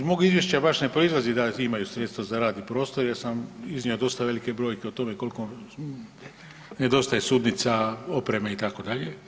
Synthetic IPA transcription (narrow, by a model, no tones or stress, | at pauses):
d̪moɡizʋje̞ʃt͡ɕabaʃne̞pɾo̞izlˠazid̪aimajusɾe̞t̪st̪ʋazaɾaːd̪nipɾo̞ːst̪o̞ɾjeɾsamizniod̪o̞st̪aʋe̞like̞bɾo̞ːjkeot̪o̞me̞ko̞liko | ne̞d̪o̞st̪aje̞suːd̪nit̪sao̞pɾe̞meit̪ako̞d̪aʎe̞